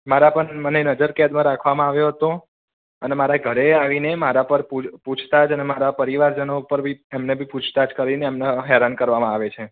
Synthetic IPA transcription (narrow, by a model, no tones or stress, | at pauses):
maɾapəɳmənenəd͡ʒəɾkɛd̪mãɾakʰʋamãaʋjoɦət̪õ | ənemaɾaɡʱəɾeaʋinemaɾapəɾpuput͡ʃʰt̪ad͡ʒənemaɾapəɾiʋaɾd͡ʒənopəɾbʱiemnebʱipũt͡ʃʰt̪ad͡ʒkəɾineːmnaɦɛɾankəɾʋamãaʋet͡ʃʰe